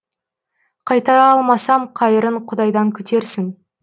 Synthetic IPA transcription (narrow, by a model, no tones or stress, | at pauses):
qʰɑjt̪ɑɾɑɑlˠmɑsɑmqʰɑjəɾəɴqʰʊd̪ɑjd̪ɑŋkʲʰʏt̪ʰe̞ɾsɪŋ